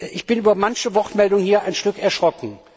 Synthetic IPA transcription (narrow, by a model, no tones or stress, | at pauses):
ʔɪçb̥ɪnʔyːbɐmançəvɔtmɛldʊŋənhiːɐʔaɪnʃtʏkɛɐʃʁ̥ɔknŋ̩